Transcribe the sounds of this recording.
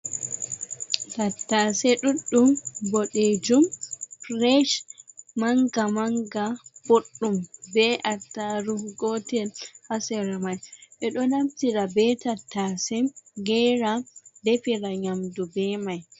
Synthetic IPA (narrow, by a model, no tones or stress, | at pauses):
tatːasɛɗuɗːumboɗed͡ʒumpɾɛʃmaŋɡamaŋɡaboɗːumbɛʔatːaɾuɡɔtɛlhasɛɾamajɓɛɗɔnamtiɾabɛtatːasɛmɡɛɾadefiɾaɲamdubɛmaj